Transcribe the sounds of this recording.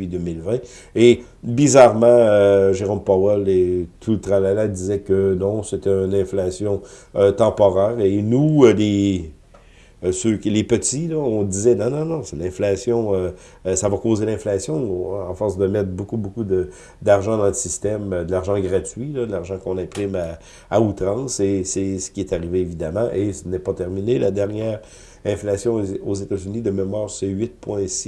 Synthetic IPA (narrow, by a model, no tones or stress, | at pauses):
id̪ømilvɛ̃ | e | bizaʁmɑ̃øʒeʁɔmpawɛlet̪ʰult̪ʁalalad̪izɛkənɔ̃set̪ɛynɛ̃flasjɔ̃øt̪ɑ̃pɔʁɛːʁenule | søkʲilepət̪ilɔɔ̃d̪izɛnɔ̃nɔ̃nɔ̃sɛlɛ̃flasjɔ̃øː | savakoːzelɛ̃flasjɔ̃ɑ̃fɔʁsd̪əmɛt̪χbokubokud̪ə | d̪aʁʒɑ̃d̪ɑ̃ləsist̪ɛmød̪əlaʁʒɑ̃ɡʁat̪ɥilɔd̪əlaʁʒɑ̃kɔ̃nɛ̃pʁɪmaː | ut̪ʁɑ̃sesɛsə̥kʲiɛt̪aʁiveːvid̪amɑ̃ʔesənɛpat̪ɛʁminelad̪ɛʁnjɛːʁ | ɛ̃flasjɔ̃ozet̪azynid̪əmemwaːʁsɛɥɪt̪̚pwɛ̃si